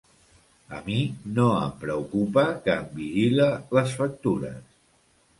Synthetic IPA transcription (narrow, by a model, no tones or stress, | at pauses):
ə̰minoə̰mpɾəukupəkəːmbiʒilələsfək̚t̪uɾə̰s